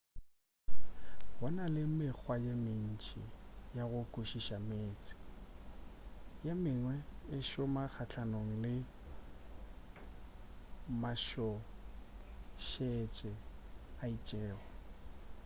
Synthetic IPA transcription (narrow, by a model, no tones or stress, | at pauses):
ɣɔnalɪmɪk͡xʰwajemɪn̩t͡ʃʼijaɣʊkʼuʃiʃameːt͡sʼɪ̥ | jamɪŋwɛɪʃʊmak͡xʰat͡ɬʰanoŋ̩lɪ | maʃɔ | ʃet͡ʃʼɛait͡ʃʼɛːɣɔ